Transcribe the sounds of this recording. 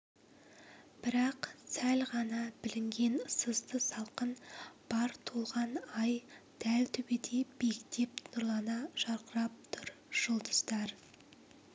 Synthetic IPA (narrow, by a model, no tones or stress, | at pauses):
b̥ɪɾɑqsælʁɑnɑbɪlɪŋɡʲe̞nsəzd̪əsɑlˠqənb̥ɑɾt̪ʰolˠʁɑnɑjd̪̥ælt̪ʰʏbed̪e̞be̞kt̪ʰe̞p̚nʊɾlˠɑnɑʒ̥ɑɾqəɾɑp̚t̪ʰʊɾ | ʒ̥ʊlˠd̪əz̥d̪ɑɾ